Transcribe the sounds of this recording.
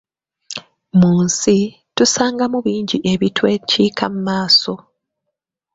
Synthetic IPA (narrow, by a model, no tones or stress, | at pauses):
muːnsi | tusaːŋɡamuβiːɲɟiʔe̞βitweciːkʰa̰mumaːso̞